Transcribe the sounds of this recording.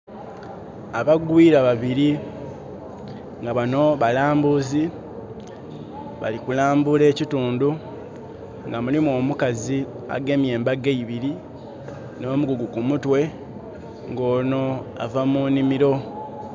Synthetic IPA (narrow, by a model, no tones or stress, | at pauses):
aβaɡwiːɾaβaβiɾi | ŋɡaβano̞βalaːmbuzi | βa̰likulaːmbule̞ːcituːndu | ŋɡamulimuo̞ːmukazi | a̰ɡe̞mje̞ːmbaɡeiβiɾi | no̞ːmuɡuɡukumutwe̞ | ŋɡo̞ːno̞a̰vamuːnimiɾo̞